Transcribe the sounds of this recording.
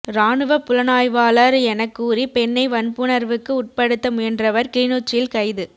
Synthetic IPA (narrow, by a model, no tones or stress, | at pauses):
ɾaːɳɯʋɐpːʊlɐnaːjʋaːlɐɾɛnɐkːuːripɛnːɐɪʋɐnpɯɳɐɾʋɯkːɯʊʈ̚pɐɽɯt̪ːɐmʊjɛndrɐʋɐɾkinoːt͡ʃːɪlkɐɪðɯ